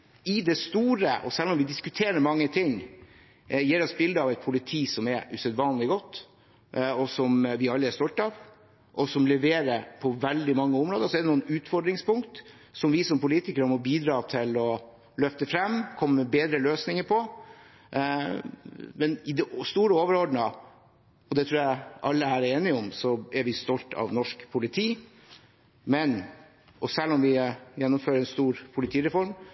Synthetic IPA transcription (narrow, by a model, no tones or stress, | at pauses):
ɪd̪ɛst̪uːɾə̰ʔɔ̰sɛlːɔmʋɪd̪ɪskʉt̪ʰeːɾəɾmɑŋːət̪ʰɪŋː | jiːɾɔsbɪld̪əɑːʋæɪt̪̚pʰʊlɪt̪ʰiːsɔmɛɾʉsœd̪ʋɑːnlɪɡɔt̪ː | ɔsɔmʋɪɑlːəæst̪ɔlt̪ɑːʋ | ʔɔsɔmlɛʋeːɾəɾpʰɔʋɛld̪ɪmɑŋːəʊmɾoːd̪əsɔɛd̪ɛnuːənʉːt̪fɔɖɾɪŋspʊŋkt̪ | sɔmʋɪsɔmpʊliːt̪ɪkəɾəmɔbiːd̪ɾɑːt̪ʰɪlɔ | lœft̪əfɾɛmːkʰɔmːəmɛbeːd̪ɾəløːsnɪŋəɾpʰɔ | mɛnɪd̪ɛst̪uːɾəoːʋəɾɔɖɳ̩ə | ɔd̪ɛt̪ʰɾuːɾjæɪʔɑlːəæɾeːnɪɔmsɔɛɾʋɪst̪ɔlt̪ʰɑ̰ʋnɔʂkpʰʊlɪt̪ʰiː | mɛn | ʔɔsɛlːɔmʋɪjɛnːʊmføːɾəɛnst̪uːɾpʰʊlɪt̪ʰiːɾɛfɔɾm